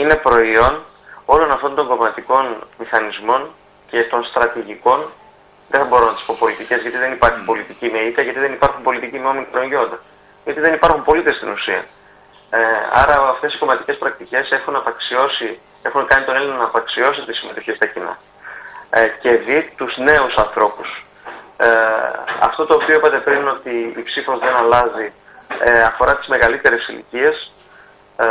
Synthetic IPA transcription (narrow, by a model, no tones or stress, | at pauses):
ine̞pɾo̞io̞n | o̞lo̞nɐft̪o̞nd̪o̞ŋɡo̞mɐt̪iko̞nmixɐnizmo̞ɲ | ce̞t̪o̞nst̪ɾɐt̪iʝiko̞n | ðe̞θɐbo̞ɾonɐt̪i̥spo̞po̞lit̪ice̞zʝɐt̪iðe̞nipɐɾçipo̞lit̪icimeit̪ɐʝɐt̪iðe̞nipɐɾxumpo̞lit̪icimeonmikɾoɲʝo̞nd̪on | ʝɐt̪iðe̞nipɐɾxumpo̞lit̪e̞st̪inusiɐ̰ | ɐ̰ɾɐɐft̪e̞si̥ko̞mɐt̪ice̞spɾɐk̚t̪ice̞se̞xunɐpɐksio̞si | e̞xunkɐnit̪o̞ne̞linɐnɐːpɐksio̞sit̪isime̞t̪oçist̪ɐcinɐ̰ | ce̞ðit̪uzne̞usɐnθɾo̞pus | ɐ̰ft̪o̞t̪o̞ːpio̞epɐt̪e̞pɾino̞t̪iːpsifo̞zðe̞nɐlɐzi | ɐfo̞ɾɐt̪izme̞ɣɐlit̪e̞ɾe̞sḭlḭcie̞s